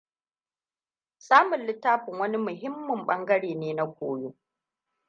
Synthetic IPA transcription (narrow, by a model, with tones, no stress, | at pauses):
saː˦mʊ˨nlɪ˦tːaː˦ɸʊ˨ŋwɐ˦ni˦mʊ˨ɦɪ˦mːʊ˨mɓɐ˦ŋɡɐ˦ɽeː˨neː˦na˦kʷoː˨joː˦